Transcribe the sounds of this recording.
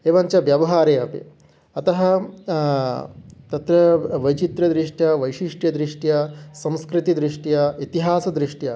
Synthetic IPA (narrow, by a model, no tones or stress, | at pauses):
eːʋɐɲt͡ʃɐʋjɐʋɐɦaːɾeːɐpḭ | ɐt̪ɐɦɐ | t̪ɐt̪ɾɐʋɐjt͡ʃit̪ɾɐd̪ɾiʂʈjɐʋɐjʃiʂʈjɐd̪ɾiʂʈjɐsɐ̃mskɾit̪id̪ɾiʂʈjɐit̪iɦaːsɐd̪ɾiʂʈjɐ